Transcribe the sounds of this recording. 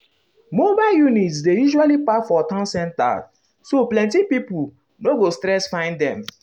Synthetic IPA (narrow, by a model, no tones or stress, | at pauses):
mobaɪljunitsdejuʒualipafɔtãnsɛ̃nta̰ | soplɛ̃ntipipu | noɡostɾɛsfãɪ̃ndɛ̃m